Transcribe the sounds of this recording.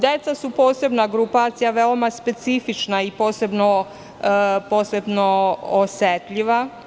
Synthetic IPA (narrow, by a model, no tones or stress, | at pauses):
d̪et̪sasupo̞ːse̞bnaɡɾupaːt̪sijaʋeomaspe̞t̪sifit͡ʃnaipo̞ːse̞bno | po̞ːse̞bnooset̪ʎiʋa